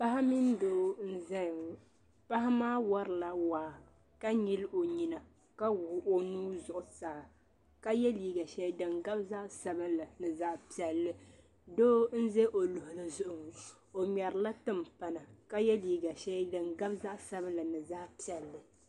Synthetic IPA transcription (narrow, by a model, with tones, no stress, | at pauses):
pa˦ɦa˦mi˦ndoː˦n̩˦zɛ˦˨ | pa˦ɦa˦maː˦wa˦ɾɨ˨la˦waː˨ | ka˦ɲi˦lo˨ɲi˨na˨ | ka˦wo˦nuː˦zʊ˨ʔʊ˨sa˨ | ka˦jɛ˦liː˦ɡa˨ʃɛ˦dɨ˨ŋɡa˦bza˦ʔsa˦bɨ˦nla˨nɨ˨za˦ʔpi˨ɛ˨lːɨ˦ | doː˦n̩˦zɛ˦ʔo˨lʊ˨hʊ˨lɨ˨zʊ˨ʔʊ˨ŋ˨ | o˨mɛ˨ɾɨ˨la˦tɨ˦m˨pa˨na˨ka˦jɛ˦liː˦ɡa˨ʃɛ˦dɨ˨ŋɡa˦bza˦ʔsa˦bɨ˦nla˨nɨ˨za˦ʔpi˨ɛ˨lːɨ˨